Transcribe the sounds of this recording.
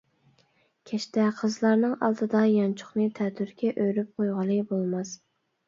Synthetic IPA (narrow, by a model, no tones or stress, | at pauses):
kʲʰɛʃt̪ɛqʰəzlˠɑɾnɨŋɑ̰lˠt̪ʰɨd̪ɑjɑnt͡ʃʰʊ̥χnɨt̪ʰɛt̪ʰyɾkʲʰɛʔøɾyp̚qʰojʁɑlˠɨbolˠmɑs